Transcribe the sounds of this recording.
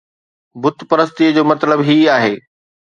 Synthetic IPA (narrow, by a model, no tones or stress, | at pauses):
bʊt̪ʰpɐɾəst̪iəd͡ʑoːmɐt̪ləbɦiːaːɦeː